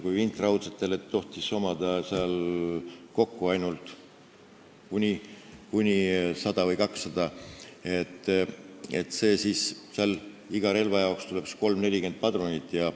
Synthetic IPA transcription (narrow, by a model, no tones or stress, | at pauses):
kujint̪ˑrɑwd̪set̪ːˑe̞let̪o̞ht̪iso̞mɑd̪̥ɑseɑl | ko̞kːuɑjnult̪ˑ | kunʲikunʲisɑd̪̥ɑvɤjkɑksːɑd̪̥ɑet̪ːˑ | et̪ːˑse̞ːsiːsseɑl | iɡ̥ɑɾe̞lvɑjɑokst̪ule̞ksko̞lmne̞lʲike̞nd̪̚pɑd̪ronʲit̪ːˑjɑ